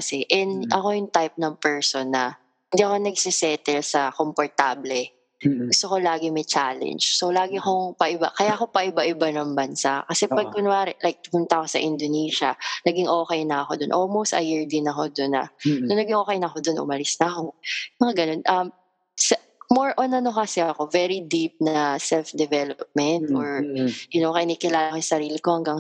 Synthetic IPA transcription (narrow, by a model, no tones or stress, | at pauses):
kɐsɛʔɛnʔɐko̞jʊŋt̪ajp̚nɐŋpɛɹsonːɐ | hɪnd̪iʔɐko̞nɐɡ̚sɪsɛt̪ɛlsɐkompoɹt̪ablɛ | ɡʊst̪oko̞laːɡɪmɐjt͡ʃaːlɛ̰nd͡ʒsowlaːɡɪkoŋpɐʔɪba̰kɐjako̞pɐʔɪbaʔɪbanɐŋbɐnsaʔkɐsɛppɐɡ̚kʊnʊaːɾɛlajk̚t̪ɪpʊnt̪ɐko̞sɐ̰ʔɪnd̪oniːʃɐnɐɡɪŋʔoːkɛjnɐːxo̞d̪onʔolmowst̪ɐ̰jiɹd̪ɪnɐko̞d̪onɐ̰sonɐɡɪŋʔokejnɐxo̞d̪o̞nʔʊ̰mɐlɪsnɐkomɐŋaɡɐno̞nʔɐm | sɐ | moɹʔonɐnokɐsɛɐko̞vɛɾid̪ip̚nɐsɛlfd̪ɛvɛlop̚mɛnt̪̚ʔɔɹjʊnokɐʔɪnikɪlaːlɐkojsɐɾiːlɪko̞hɐŋɡɐŋ